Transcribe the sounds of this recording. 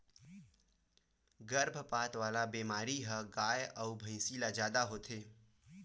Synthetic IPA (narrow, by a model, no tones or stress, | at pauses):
ɡəɾbʱpaːt̪ʋaːlabeːmaːɾiɦəɡaːjəʊbʱə̃ɪ̃silad͡ʒjaːd̪aɦoːt̪ʰeː